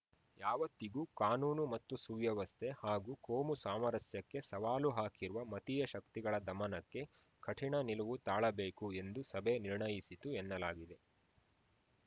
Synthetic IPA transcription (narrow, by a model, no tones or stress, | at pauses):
jaːʋɐt̪ːiɡuːkaːnuːnumɐt̪ːusuʋjɐʋɐst̪ʰe̞haːɡuːkoːmusaːmɐɾɐsjɐkːe̞sɐʋaːluɦaːkiɾuʋɐmɐt̪ijɐʃɐkt̪iɡɐɭɐd̪ɐmɐnɐkːe̞ | kʰɐʈʰiɳɐniluʋut̪aːɭɐbe̞ːkue̞nd̪usɐbeniɾɳɐjisit̪uɛnːɐlaːɡid̪e̞